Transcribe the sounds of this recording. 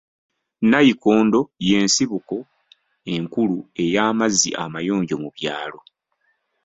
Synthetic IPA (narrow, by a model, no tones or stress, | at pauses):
najikoːndo̞je̞ːnsiβuko̞ | e̞ŋkulue̞jaːmazḭʔamajo̞ːɲɟo̞muβjaːlo̞